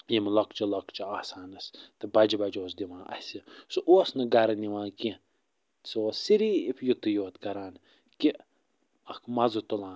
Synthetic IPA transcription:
jimlɐkt͡ʃilɐkt͡ʃiaːsaːnɐst̪ɨbɐd͡ʒibɐd͡ʒoːsd̪iʋãːʔɐ̰sʲisuʔoːsnɐɡɐɾɐniʋãːki | soːsiɾiːifʰʲjut̪ɨjoːt̪kɐɾaːn | ki | ɐkmɐzɨt̪ulãː

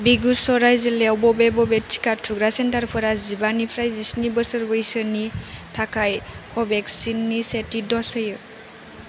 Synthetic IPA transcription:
biɡusɔɾajzilɛwbɔbɛbɔbɛt͡ʃʰi̥katʰuɡɾasɛntaɾpʰɔɾazibanipʰɾajzisnibəsəɾbɔjsənitʰakʰajkʰɔbɛksinːisetidɔsəjɯ

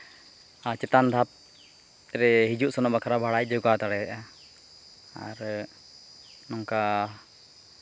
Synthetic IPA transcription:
at͡ʃɛt̪and̪ʱap̪̚ | ɾɛɦid͡ʒuʔsɔnɔʔbakʰaɾabʱaɽajd͡ʒɔɡat̪aɽɛɛʔa | aɾ | nɔŋka

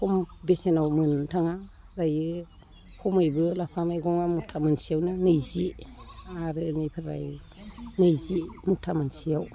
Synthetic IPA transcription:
pʰɔmbesenawmɯntʰaŋa | ɾajɯ | hʰɔmɯjbɯlapʰamajɡɔŋamutʰamɯnsijawnɯnɯjziaɾɯnipʰɯɾa̰j | nɯjzimutʰamansijaw

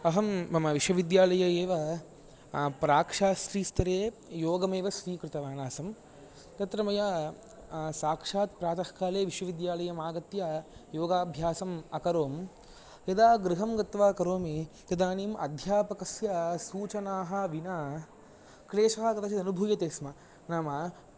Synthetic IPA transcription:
ɐɦɐmɐmɐʋiʃʋɐʋid̪jaːlɐjɐeːʋɐ | pɾaːkʂaːsɾiːst̪ɐɾeːjoːɡɐmeːʋɐʃɾiːkɾɪt̪ɐʋaːnaːsɐm | t̪ɐt̪ɾɐmɐjɐ | saːkʂaːt̪pɾaːt̪ɐhkaːleːʋiʃʋɐʋid̪jaːlɐjɐmaːɡɐt̪jɐjoːɡaːbʱjaːsɐmɐkɐɾoːm | jɐd̪aːɡɾɪɦɐmɡɐt̪ʋaːkɐɾoːmit̪ɐd̪aːniːmʔɐ̰d̪ʱjaːpɐkɐsjɐsuːt͡ʃɐnaːɦɐʋina | kɾeːʃɐɦɐkɐt̪ɐt͡ʃʰiɐnubʱuːjɐt̪eːsmɐ | naːmɐ

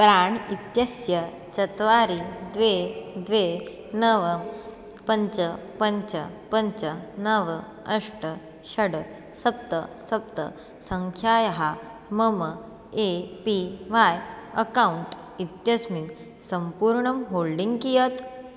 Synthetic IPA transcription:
pɾaːɳit̪jɐsjɐ | t͡ɕɐt̪ʋaɾid̪ʋed̪ʋe | nɐʋɐm | pɐɲt͡ʃəpɐɲt͡ʃəpɐɲt͡ʃənɐʋə | ɐʂʈə | ɕɐɽ | sɐp̚t̪əsɐp̚t̪ə̰ | sɐŋkʰjaːjɐɦa | mɐmə | epiʋajɐkauɳʈ | it̪jɐsmit̪ | sɐmpuːɾɳɐmɦolɖiŋɡkijɐt̪

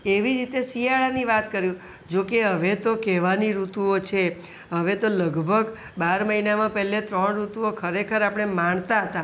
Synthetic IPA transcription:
eʋiɾit̪esiaɭaniʋat̪kəɾjũ | d͡ʒokeɦəʋet̪okɛʋaniɾut̪uot͡ʃʰe | ɦəʋet̪oləɡbʱəɡ | baɾməɦinamãpɛɦlet̪ɾəɳɾut̪uokʰəɾekʰəɾapəɽ̃emaɳt̪aɦət̪a

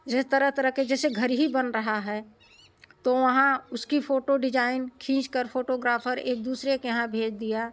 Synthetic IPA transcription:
d͡ʒɪst̪əɾəɦt̪əɾəɦked͡ʒɛːseɡʱɐɾɦibɐnɾɐɦaɦɛ | t̪oʋɐɦãʊskifʰoːʈoɖɪd͡ʒaːɪnkʰĩːt͡ʃkəɾfʰoːʈoɡɾaːpʰəɾḛːk̚d̪uːsɾekjɐɦãbʱeːd͡ʒd̪ija

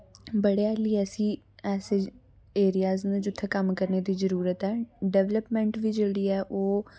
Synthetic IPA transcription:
bəɽejaːliːɛsĩː | ɛːse | eːɾɪjaːznũːd͡ʒʊt̪ʰːeːkəmkəɾneːd̪iːzəɾuːɾət̪ɛːɖɛʋləpmɛ̃ːɳʈʋiːd͡ʒeːɽiːɛːʔoː

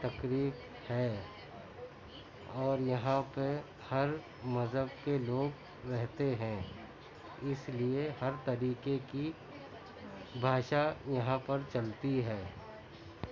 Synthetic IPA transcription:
t̪ɐkɾiːf | hɛː | ɔːɾjɐɦãpe | hɐɾ | mɐzɦəb̚keloːɡ | ɾɛɦt̪eɦɛ̃ | ɪsliehɐɾt̪ɐɾiːkeki | bʱaːʃajɐɦãpɐɾt͡ʃɐlt̪iɦɛː

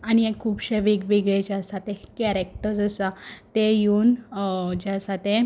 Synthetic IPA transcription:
añiekʰːuːpɕeʋikʋeɡɭet͡ɕasat̪ekɛɾek̚ʈəɾd͡zəsat̪ejund͡ʑasat̪e

